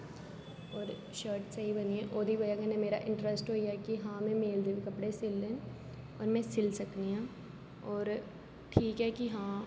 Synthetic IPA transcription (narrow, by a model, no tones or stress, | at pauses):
ɔːɾ | ʃəːɾʈseibɐniɦɛ̃ʔoːd̪ʱibɐjakənẽmeːɾa̰ʔɪ̃ɳʈɾəsʈɦoːiaɛkiɦãːmɛ̃meːld̪eʋẽkɐpɽesɪlːẽː | ɔːɾmɛ̃sɪlsɐkniɦãː | ɔːɾ | ʈʰiːkɦɛkiɦãː